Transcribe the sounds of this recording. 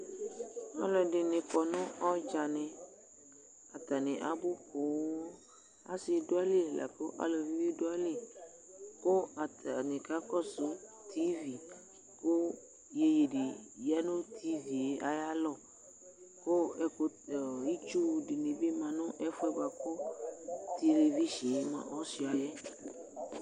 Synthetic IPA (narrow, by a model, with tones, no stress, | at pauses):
a˦lɔ˨ɖɪ˨nɪ̃˨kɔ˨nʊ̃˦ʔɔ˦d͡ʒa˨nɛ̃˨ | a˨t̪a˨nẽ˨ʔa̰˨bʊ˦ko˨˦ | a˦sɪ˨do˦a˦li˦ɛ˨lʔa̰˨ko˦ʔa̰˨lɔ˨vi˦be˦do˦a˦li˦˨ | ko˦a˨ta˨nĩ˨ka˦kɔ˦sʊ˦t̪ʰi˦vi˨ | ko˦ | je˨je˨di˨ja˦nõ˦t̪ʰi˦vi˨je˨ʔa˨ja˦lɔ˦˨ | ko˦ɛ˦ko˦˨i˦t͡ʃu˦di˨nĩ˨be˦mã˨nʊ̃˦ʔɛ˦fʊ˦ɛ˦ba˨kɔ˦ | t̪e˨le˨vi˦ʃi˨je˨mã̰˨ʔɔ˦si˦ɔ˨jɛ˦